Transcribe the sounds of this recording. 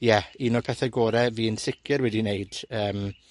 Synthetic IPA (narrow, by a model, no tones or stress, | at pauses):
jɛiːnɔrpʰɛθɛɡoːɾɛviːənsɪkʰjəɾwɛdinejd̥əːm